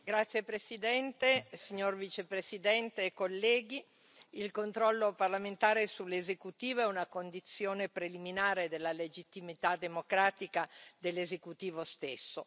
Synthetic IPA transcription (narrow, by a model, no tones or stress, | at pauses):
ɡɾat̪sːjepɾesid̪ɛnt̪esiɲːorvit͡ʃepɾesid̪ɛnt̪eːkːolːɛːɡi | ilkont̪ɾɔlːoparlament̪aːɾesulːezekut̪iːvoɛunakond̪it̪sːjoːnepɾeliminaːɾed̪elːaled͡ʒit̪ːimit̪ad̪emokɾaːt̪ikad̪elːezekut̪iːvost̪esːo